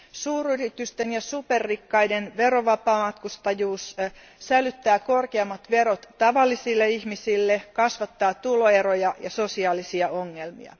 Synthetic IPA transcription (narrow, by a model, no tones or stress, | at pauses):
suːryrit̪yst̪enjɑsuperːikːɑidenʋeɾoʋɑpɑːmɑt̪kust̪ɑjuːs | sælyt̪ːæːko̞rkeɑmːɑt̪ʋeɾot̪ːɑʋɑlːisilːeiçmisilːekɑsʋɑt̪ːɑːt̪uloeɾojɑjɑso̞siɑːlisiɑoŋːelmḭɑ̰